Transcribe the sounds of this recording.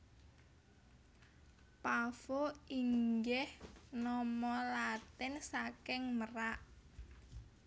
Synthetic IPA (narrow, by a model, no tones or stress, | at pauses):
pafoiŋɡɛhnɔmɔlat̪ɪnsakɪŋməraʔ